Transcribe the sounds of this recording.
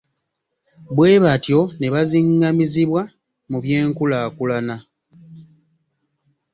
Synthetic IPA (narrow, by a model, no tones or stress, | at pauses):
bwe̞ːβatjo̞ne̞βaziŋɡamiziβwa | muβje̞ːŋkulaːkulana